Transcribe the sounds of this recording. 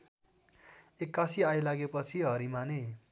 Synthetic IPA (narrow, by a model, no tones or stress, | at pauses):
ekːasiajlaɡepʌt͡sʰiɦʌɾimane